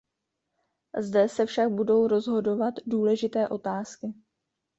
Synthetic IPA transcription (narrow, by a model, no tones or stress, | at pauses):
zdɛsɛfʃak̚budo̞wɾo̞zɦo̞do̞vat̪duːlɛʒɪt̪ɛːʔo̞t̪aːskɪ